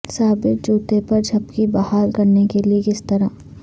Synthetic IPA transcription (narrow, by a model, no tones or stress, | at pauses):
saːbɪt̪̚d͡ʒuːt̪epɐɾd͡ʒʰʱɐpkibɐhaːɾkɐɾnekeliekɪst̪ɐɾa